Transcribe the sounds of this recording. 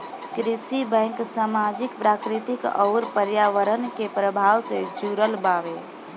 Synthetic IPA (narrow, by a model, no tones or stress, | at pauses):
kɾisibɛ̃ŋksamad͡ʒikpɾakɾit̪ikɔ̰ʊɾpəɾjaʋəɾənkepɾəbʱaʋsẽd͡ʒuɾəlbaʋe